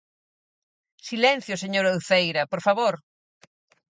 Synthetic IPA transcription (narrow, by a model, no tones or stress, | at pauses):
silɛ̃n̟θjoseɲoɾowθejɾɐpoɾfaβoɾ